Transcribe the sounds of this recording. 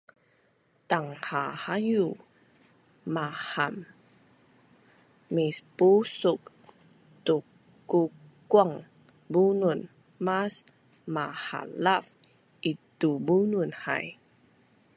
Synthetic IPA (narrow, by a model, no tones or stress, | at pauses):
t̪aŋhahaju | maham | ispusuk̚ | t̪u | kukwaŋ | bunuən | mas | maha̰laf | ʔit̪ubunuənha̰j